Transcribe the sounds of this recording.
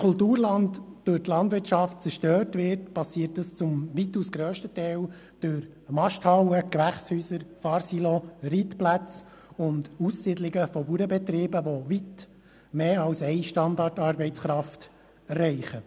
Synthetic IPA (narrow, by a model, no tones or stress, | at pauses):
kʰʊltuːɾlɑntd̥øtlɑndʋɪɾtʃɑft̚t͡sɛɾʃtøːrtʋɪɾtpɑsiətdəst͡sʊmʋitːusɡɾøːʃtətɛːl | d̥øɾ | mɑʃthɑwəkʋæχshyːsəɾfɑːɾsilɔɾit̪plæt͡s | ʊndusːidlɪɡəfɔbuɾəbɛt̪ɾiːbəʋoʋit | meːɑwsɛɪʃtɑnd̪ɑrtɑːɾbɛɪt͡sχɾɑft | rɛɪχə